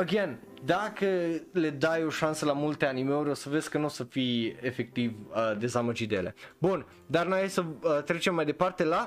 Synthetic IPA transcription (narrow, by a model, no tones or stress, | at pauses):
əɡjan | d̪akəle̞d̪ajo̞ʃansəlamult̪e̞animeuɾʲo̞səveskənusəfiefe̞k̚t̪ivəd̪e̞zaməd͡ʒit̪d̪eele̞̰bun | d̪arnoajesəət̪ɾe̞t͡ʃemːajd̪e̞part̪e̞la